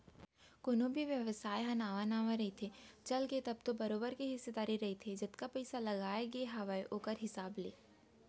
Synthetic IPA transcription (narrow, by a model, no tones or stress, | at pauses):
koːnõbʱiʋjɐʋsaːjɦɐ̃naːʋanaːʋãɾɐɦet̪ʰet͡ʃɐlket̪ɐb̚t̪obɐɾoːbəɾkeɦɪsːed̪aːɾiɾɐɦet̪ʰed͡ʒɪt̪kapɛːsalɐɡaːeɡeɦaʋajʔoːkəɾɦɪsaːblḛː